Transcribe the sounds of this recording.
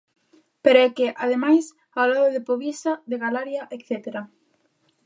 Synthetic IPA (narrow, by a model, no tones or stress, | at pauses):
peɾoɛkeʔaðemajs | alaðoðɪpoβisɐðeɣalaɾjɐʔekθet̪eɾa